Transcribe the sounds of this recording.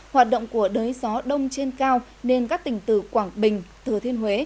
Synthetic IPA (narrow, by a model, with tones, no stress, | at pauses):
hwaː˨˩t̚ɗə̰˧˨ŋ͡mku˧˩əɗəː˨˦jzɔ˨˦ɗə˧wŋ͡mt͡ɕe˧nkaː˧w | ne˧nkaː˦˥k̚t̪ï˨˩ŋ̟t̪ɨ̰˧˩kwaː˧˩ŋɓï˨˩ŋ̟t̪ɨ˧˩t̪ʰi˧ənɦwe˨˦